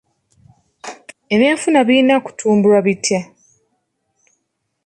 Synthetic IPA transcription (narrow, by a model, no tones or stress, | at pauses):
e̞βeːɱfunaβiːnaku̥tʰuːmbuɾwaβitʰja